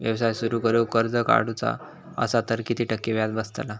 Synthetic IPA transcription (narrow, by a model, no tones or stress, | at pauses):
ʋjəʋsajsuɾukəɾjukəɾd͡zəka̰ɽut͡sa̰ | ə̰sat̪əɾkit̪ʰiːʈəkːiʋjad̪bəst̪ala